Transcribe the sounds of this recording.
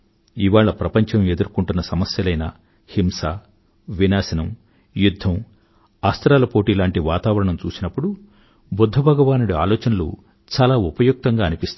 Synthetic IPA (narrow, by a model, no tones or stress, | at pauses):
iʋaːɭːɐpɾɐpɐɲt͡ʃɐme̞d̪uɾkuɳʈunːɐsɐmɐsjɐlɐjnɐ̰ | himsaː | ʋinaːsɐnɐm | jud̪ʱːɐm | aːst̪ɾaːlɐpo̞ːʈiːlaːɳʈiʋaːt̪aːʋɐɾɐɳɐmt͡ʃuːsinɐpːuɽu | bud̪ʱːɐbʱɐɡɐʋaːnuɽua̰ːlɔːt͡ʃɐnɐlṵ | t͡ʃaːlaːupɐjuk̚t̪ɐŋɡaːɐnipist̪